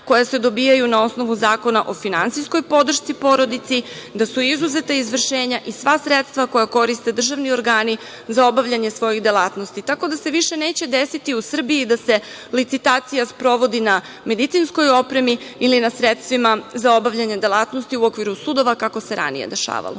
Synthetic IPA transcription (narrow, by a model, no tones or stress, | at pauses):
ko̞jase̞d̪o̞biːjajunao̞sno̞ʋuzaːko̞naʔo̞finant̪sijsko̞jpo̞d̪r̩ʃtsipo̞ɾo̞d̪it̪sid̪asuizuze̞t̪aizʋr̩ʃe̞ːɲaʔisʋasɾe̞t̪st̪ʋako̞jako̞ɾist̪e̞d̪r̩ʒaʋnio̞ɾɡaːni | zao̞baʋʎaɲe̞sʋo̞jixd̪elaːt̪nost̪it̪ako̞d̪ase̞ʋiʃe̞ne̞ːt͡ɕe̞d̪e̞sit̪iusr̩biid̪ase̞ | lit̪sit̪aːt̪sijaspɾo̞ʋo̞d̪ina | me̞d̪it̪sinsko̞jo̞pɾe̞miilinasɾe̞t̪st̪ʋimazao̞baʋʎaɲe̞d̪e̞lˠaːt̪nost̪iuo̞kʋiɾusud̪o̞ʋakako̞se̞ɾa̰nḭjḛd̪e̞ʃa̰ːʋa̰lˠo̰